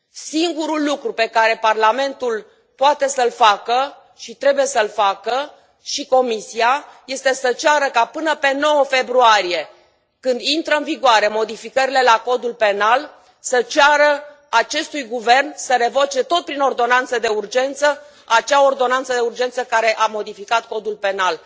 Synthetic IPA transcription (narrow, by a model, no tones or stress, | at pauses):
siŋɡuɾulːukɾupe̞kaɾe̞parlame̞nt̪ul | poat̪e̞səlfakə | ʃit̪ɾe̞buje̞səlfakə | ʃiko̞misiaje̞st̪e̞sət͡ʃaɾəkapɨnəpe̞no̞wəfe̞bɾuaɾije̞ | kɨnd̪int̪ɾəɨnviɡoaɾe̞mo̞d̪ifikəɾile̞lako̞d̪ulpe̞nal | sət͡ʃaɾə | at͡ʃe̞st̪ujɡuve̞rnsəɾe̞vo̞t͡ʃe̞t̪o̞t̪̚pɾino̞rd̪o̞nant̪səd̪e̞urd͡ʒe̞nt̪sə | at͡ʃao̞rd̪o̞nant̪səd̪e̞urd͡ʒe̞nt̪səkaɾe̞ʔamo̞d̪ifikat̪̚ko̞d̪ulpe̞nal